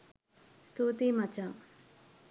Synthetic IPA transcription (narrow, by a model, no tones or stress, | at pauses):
st̪ʰuːt̪imɐt͡ʃa